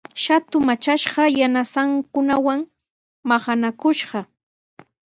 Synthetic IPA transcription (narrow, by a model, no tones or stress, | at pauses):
ʃat̪ʊmat͡ʃaʃɢɑjanasaŋkʊnawaŋ | maχanakʊʃɢɑ